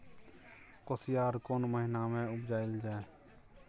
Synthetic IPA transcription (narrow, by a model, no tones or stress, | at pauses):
koːsɪjaːɾkoːnməɦɪnamẽʊbd͡ʒaːɪld͡ʒaːe